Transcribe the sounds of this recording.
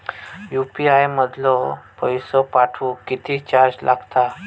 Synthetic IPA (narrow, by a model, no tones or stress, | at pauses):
jupiajməd̪lɔpəjsɔpaʈʰuːkit̪ʰit͡ɕaɾd͡zlʔa̰ɡt̪a